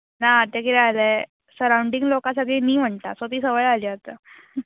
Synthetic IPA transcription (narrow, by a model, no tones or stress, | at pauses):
naːt̪akit̪ajləj | səɾauɳɖiŋɡlokãs̬aɡɭiːniːm̤əɳt̪asot̪iːsəʋəɭaliːat̪a